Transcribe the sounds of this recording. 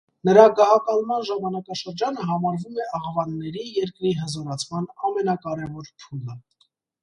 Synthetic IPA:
nəɾɑɡɑɦɑkɑlmɑnʒɑmɑnɑkɑʃəɾd͡ʒɑnəɦɑmɑɾvumɛʔɑʁvɑnːɛɾijɛɾkɾiɦəzɔɾɑt͡sʰmɑnɑmɛnɑkɑɾɛvɔɾpʰulə

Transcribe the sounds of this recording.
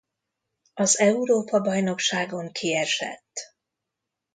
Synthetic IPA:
ɒzɛuɾoːpɒbɒjno̞kʃaːɡo̞ŋkʰiɛʃɛ̰t̪ː

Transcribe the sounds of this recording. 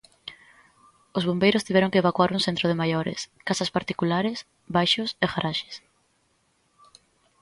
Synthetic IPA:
ozβombejɾʊst̪iβɛɾõŋkeβakwaɾuŋsent̪ɾoðemajoɾḛskasaspaɾt̪ikulaɾɪs | bajʃʊseɣaɾaʃe̥s

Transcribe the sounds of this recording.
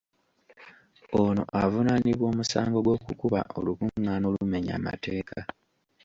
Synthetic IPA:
ono̞̰ʔavunaniβwo̞ːmusa̰ːŋɡo̞ɡwo̞ːkukuβa̰ʔo̞lukuŋːaːnoːlume̞ɲa̰ːma̰te̞ːkʰa

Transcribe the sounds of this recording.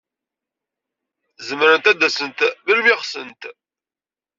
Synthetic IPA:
zəmɾənt̪æd̪æsənt̪vəlmɪχsə̰nt̪

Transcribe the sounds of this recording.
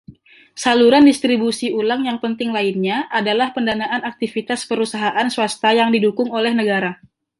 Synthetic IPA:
saluɾandist̪ɾibusiulaŋjaŋpənt̪ɪŋlainɲaʔadalahpəndanaʔanak̚t̪ifit̪aspəɾusaɦaʔansuast̪ajaŋdidukʊŋolɛhnəɡaɾa

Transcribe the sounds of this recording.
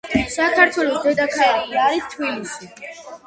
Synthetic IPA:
sakʰaɾt̪ʰwɛlˠɔsd̪ɛd̪akʰaɛɾiiaɾist̪ʰbilisi

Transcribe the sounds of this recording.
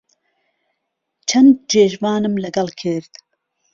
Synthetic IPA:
t͡ʃʰɐnd̪̚d͡ʒeːʒvɑːnɨmlɐɡɐlkʰɨɾd̪

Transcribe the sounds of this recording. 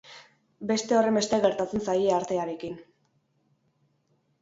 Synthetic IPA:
be̞st̪e̞o̞re̞mbe̞st̪eɣe̞ɾt̪at͡se̞nsajeaɾt̪e̞aɾe̞kin

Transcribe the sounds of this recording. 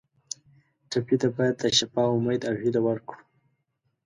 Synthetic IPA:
ʈapit̪abɑjad̪̚ːəʃapɑʊmajd̪aɣid̪awaɾku̥

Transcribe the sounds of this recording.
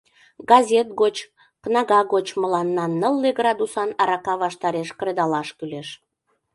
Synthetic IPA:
ɡɑzʲet̪̚ɡot͡ɕ | knɑɣɑɣot͡ɕməlɑnːɑnːəlːeɡrɑd̪usɑnɑɾɑkɑβɑʃt̪ɑɾeʃkɾed̪ɑlɑʃkyleʃ

